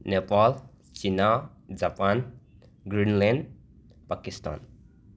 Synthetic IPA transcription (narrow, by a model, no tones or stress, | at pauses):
nepal | t͡ʃinad͡ʒapan | ɡɾinlenɖ | pakista̰n